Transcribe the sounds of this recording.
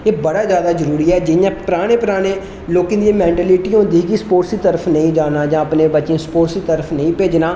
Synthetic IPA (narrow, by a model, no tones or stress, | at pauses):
eːbəɽaːzjaːd̪aːzəɾuːɾiːɛːd͡ʒɪjãːpɾaːɽ̃eːpɾaːɽ̃eː | loːkɪ̃d̪iẽːmɛ̃ːɳʈɛːliːʈiõːd̪iːɡiːspoːʈsiːt̪əɾəpʰnəĩːd͡ʒaːnaːd͡ʒãːəpneːbətːʃẽːspoːʈsiːt̪əɾəpʰnəĩːpeːd͡ʒnaː